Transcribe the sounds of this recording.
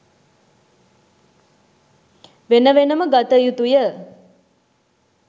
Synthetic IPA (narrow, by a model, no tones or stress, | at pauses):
ʋenəʋenəməɡat̪əjut̪ujə